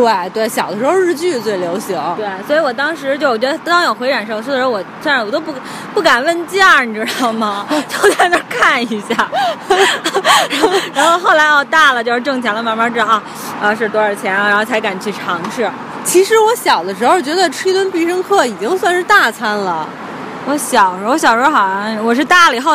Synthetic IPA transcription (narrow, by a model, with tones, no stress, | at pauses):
t̪we˥˩ɪt̪we˥˩ɪɕjɑ˨˩ʊd̪ə˦ʂɻ̩˧˥xo˥˧ɻ̩˥˧t͡ɕy˥˩˨t͡swe˥˩ɪljo˧˥ʊɕi˧˥˦t̪we˥˩ɪswɔ˧˥i˧˥wɔ˨˩t̪ɑ˥ŋʂɻ̩˧˥t͡ɕjo˥˩ʊ˩t͡ɕɥɛ˧˥d̪ə˧˩˥ɑ˥ŋjo˨˩ʊxwe˧˥ɪʈ͡ʂa˨˩nʂɤ˥˩ŋʂ̩˥˩˧ʂɻwɔ˨˩swn˧wɔ˨˩t̪o˥ʊp | pu˥˩ka˨˩nwə˥˧nt͡ɕjɑ˥˩ŋʈ͡ʂ̩˥˧˩mɐ˩t͡ɕjo˥˩ʊa˥˩ɪnə˥˧˥kʰa˥˩ni˧˥ɕja˥˩ | ɻɻaa˧˥nxo˥˧ʊxo˥˩ʊla˧˥ɪɔ˥˧t̪a˥˩lə˩t͡ɕjo˥˧ʊʂɻ̩˥˧ʈ͡ʂɤ˥˩ŋt͡ɕʰjɛ˧˥lə˧˩ma˧˥ma˧˥ʈ͡ʂɻ̩˥d̪ɑ˧ɐ˥˧˩ | ɐ˧ʂ̬ɻ̩˥˩t̪wɔ˥ə˞˥˩t͡ɕʰjɛ˧˥n˩ɻa˧˥xo˥˩t͡sʰɪka˨˩n˩t͡ɕʰy˥˩ʈ͡ʂʰɑ˧˥ŋʂɻ̩˥˩ | t͡ɕʰi˧˥ʂɻ̩˧˥wɔ˧˥ɕjɑ˨˩ʊd̪ə˦ʈ͡ʂɻ̩˧˥xo˥˧˩t͡ɕɥɛ˧˥d̪ə˥˧ʈ͡ʂʰi˥t̪wə˥npi˥˧ʂɤ˥ŋkʰɤ˥˩i˨˩t͡ɕi˥ŋswa˥˧nʂɻ̩˥˧t̪a˥˩t͡sʰa˥nlə̰˨ | wɔ˧˥ɕjɑ˨˩ʊ˥wɔ˧˥ɕjɑ˨˩ʊʂɔ˧˥xɑ˨˩˥wɔ˨˩ʂ̬ɻ̩˥˧t̪a˥˩li˨˩xo˥˧